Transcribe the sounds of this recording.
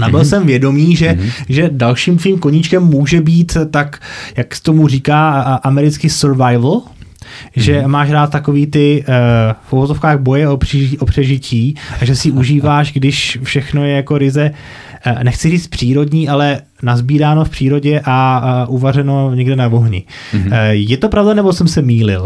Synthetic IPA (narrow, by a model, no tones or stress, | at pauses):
nabɪlsɛmvjɛdo̞miːʒɛʒɛdalʃiːmt̪ʋiːmkoɲɪt͡ʃkɛmːuːʒɛbiːt̪t̪akjakt̪omuriːkaːʔamɛɾɪt͡skɪsɛɾvajvl̩ | ʒɛmaːʃɾaːt̪̚t̪ːako̞viːt̪ɪ | fʔuvozofkaːɣbo̞jɛorʔopr̥ɛʒɪcʰiːʔaʒɛsɪʔuʒiːvaːʃɡdɪʃfʃɛxno̞jɛjako̞ɾɪzɛ | nɛxt͡sɪriːt͡st̪̚pr̝̥iːɾo̞dɲiːʔalɛ | nazbiːɾaːno̞fpr̥iːɾo̞ɟɛʔaʔuvarɛno̞ɲɛɡdɛnavoɦɲɪ̰ | jɛt̪o̞pɾavdanɛbosɛmsɛmiːlɪ̰l